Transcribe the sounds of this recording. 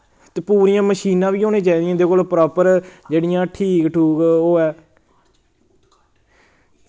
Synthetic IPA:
t̪eːpuːɾijãːməʃiːnãːʋiːoːneːt͡ʃaːiːd̪ijãːd̪eːkoːlpɾɔːpəɾd͡ʒeːɽijãːʈʰiːkʈʰuːkoːɛː

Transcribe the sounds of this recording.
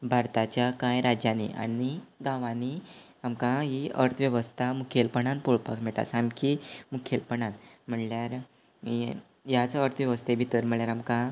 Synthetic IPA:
bʱaɾt̪at͡ɕjakãjɾad͡ʑjanḭʔa̰niɡãʋãni | amkãɦiʔəɾt̪ʰʋjeʋəst̪ʰamukʰelpəɳãnpoɭpa̰kmɛʈa̰samkimukʰelpəɳanm̤əɳljaɾ | jat͡səɾt̪ʰʋjeʋəst̪ʰebʱit̪əɾm̤əɳljaɾamkã

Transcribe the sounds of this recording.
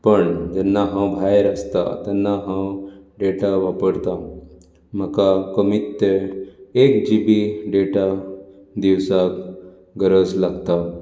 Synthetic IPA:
pəɳd͡ʒɛnːaɦãwbʱajɾəst̪a̰t̪ɛnːaɦãwɖeʈaʋapəɽt̪a | məkakəmit̪ːeekd͡ʒibiɖeʈa | d̪iwsak | ɡəɾəslaɡt̪a

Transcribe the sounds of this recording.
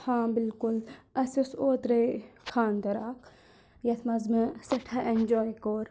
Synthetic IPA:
hãːbilkulɐsisoːt̪ɾɐjkʰaːnd̪ɐɾaːk | jɐt̪ʰmɐzmɐsɐʈʰɐʔend͡ʒoːjkoːɾ

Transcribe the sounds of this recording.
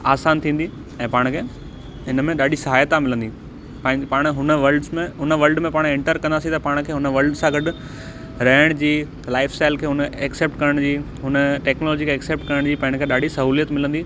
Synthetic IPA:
aːsaːnt̪ʰĩːnd̪i | ɛ̃ːpaːɽ̃kʰeː | ɦɪnəmẽɗaːɗisɐɦaːjət̪amɪlə̃nd̪i | pãɪ̃paːɽ̃ɦʊnəʋɐɾlɖzmẽɦʊnəʋɐlɖmẽpaːɽ̃ẽɳʈəɾkɐ̃nd̪aːsĩt̪ɐpaːɽ̃kʰeːɦʊnəʋɐlɖsãɡɐɖʊ̆ | ɾɐɦɪɽ̃d͡ʑiː | laːɪfsʈaːɪlkʰeːɦʊnəɛkseːp̚ʈkɐɾəɽ̃d͡ʑiː | ɦʊnəʈeːknolɔːd͡ʑikʰeːkseːp̚ʈkɐɾəɽ̃d͡ʑiːpɐ̃ɦɪ̃kʰeːɗaːɖʱisɐɦuːlijət̪mɪlə̃nd̪iː

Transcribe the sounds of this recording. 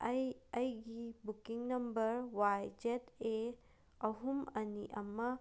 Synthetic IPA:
ɐjɐjɡibukiŋnɐmbəɾwajd͡ʒete | ɐɦumɐnḭʔɐmːɐ

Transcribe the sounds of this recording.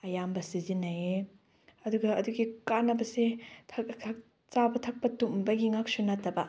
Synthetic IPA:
ɐjambɐsizinːɐe | ɐduɡɐːduɡikanɐbɐsetʰɐtʰɐ | t͡ʃabɐtʰɐk̚pɐtumbɐɡiŋak̚sunɐtːɐbɐ

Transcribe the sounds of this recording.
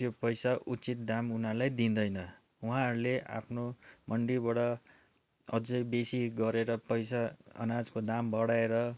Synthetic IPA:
jopʌjsaʔut͡sit̪̚d̪amunalajd̪ind̪ʌjnʌ | uɦãɦʌɾuleʔa̰pʰnomʌɳɖibaɽʌ | ʌd͡zʌjbesiɡʌɾeɾʌpʌjsaʌ̰nad͡zkod̪ambʌɽaeɾʌ

